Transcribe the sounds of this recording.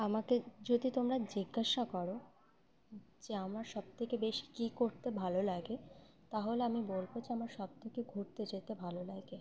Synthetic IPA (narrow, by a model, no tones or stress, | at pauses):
amaked͡ʑod̪it̪omɾad͡ʑiɡːaʃakɔɾo | d͡ʑeamaɾʃɔb̚t̪ʰekebeʃi̥kikoɾt̪ebʱalolaɡe | t̪aɦoleamibolbod͡ʑeamaɾʃɔb̚t̪ʰekeɡʱoɾt̪ed͡ʑet̪ebʱalolaɡe